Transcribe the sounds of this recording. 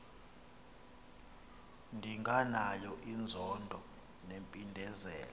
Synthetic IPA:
ndʱiŋʱanajɔʔind͡zʱɔndʱɔ | nempʼindʱɛzɛ̰ːlɔ

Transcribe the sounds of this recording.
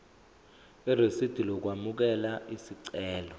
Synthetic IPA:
iresid̥ʱilɔk̬wamuk̬ɛlaʔisiǀɛːlɔ

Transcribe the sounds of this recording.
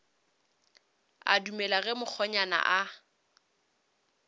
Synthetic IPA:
a̰dumɛlaɣɛmʊk͡xʰɔɲana̰ʔa

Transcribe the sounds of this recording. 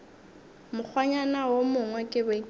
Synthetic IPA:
mʊk͡xʰwaɲanawomʊŋwɛkʼɪbɛ

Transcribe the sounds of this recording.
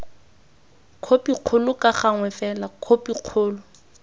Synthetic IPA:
kʰopʼiq͡χʰʊlʊkʼaχaŋwɛfɛlakʰopʼiq͡χʰʊːlʊ

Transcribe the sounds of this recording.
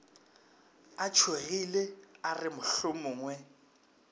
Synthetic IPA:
at͡ʃʰwaɣilearɪmʊɬʊmʊːŋwɛ

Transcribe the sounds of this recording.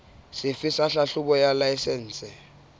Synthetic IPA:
sɪfisaɬaɬuɓɔjalajsɛːnsʼɛ

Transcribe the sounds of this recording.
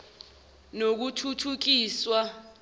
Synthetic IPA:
nok̬utʰutʰuk̬iːswa

